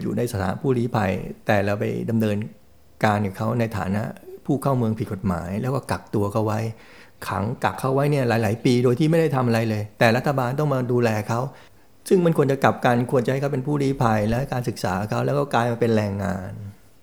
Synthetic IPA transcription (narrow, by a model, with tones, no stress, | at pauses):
jṵː˨˩na˧jsa˧˩t̪ʰa̰ː˩˦˥pʰuː˥˩ɾiː˦˥pʰa˧jt̪ɛː˨˩ɾa˧wpa̰˧jda˧mnɤː˧n | kaː˧njuː˨˩kʰa˦˥wna˧jt̪ʰa̰ː˩˦na˦˥ʔpʰuː˥˩kʰaː˥˩mɯ˧əŋpʰi˨˩t̚ko˨˩t̪̚ma̰ː˩˦jlɛ˦˥wkɔː˥˩ka˨˩k̚t̪u˧ɐkʰa˥˩wa˦˥j | kʰa̰˩˦ŋka˨˩kʰːa˥˩wːa˦˥jni˥˩ɐlaː˩˦jlaː˩˦jpiː˧doː˧jt̪ʰiː˥˩ma˥˩jda˥˩jt̪ʰa˧mʔa˧ɾa˧jlɤː˧jt̪ɛː˨˩ɾa˦˥t̪ʰːa˧baː˧nt̪̬ɔ˥˩ŋmaː˧duː˧lɛː˧kʰa˦˥w | sɯ˥˩ŋma˥˩nkʰu˧ənt͡ɕa˨˩ka˨˩p̚ka˧nkʰu˧ənt͡ɕa˧a˥˩kʰa˥wpe˧npʰuː˥˩ɾiː˦˥pʰa˧jlɛː˦˥kaː˧nsɯ˨˩k̚sa̰ː˩˦˨kʰa˦˥wlɛː˦˥wkɔː˥˩klaː˧jmaː˧pe˧nɾɛː˧ŋːa̰ː˧n